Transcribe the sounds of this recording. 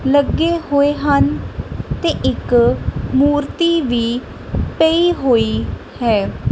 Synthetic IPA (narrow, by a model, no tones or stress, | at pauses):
ləɡeːɦoːeːɦənt̪eːʔɪkmuːɾt̪iːʋiː | peiːɦoːiː | hɛː